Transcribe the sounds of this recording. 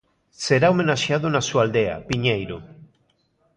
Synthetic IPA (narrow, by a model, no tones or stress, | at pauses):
seɾaomẽnaʃjaðonasuald̪ea̰piɲejɾo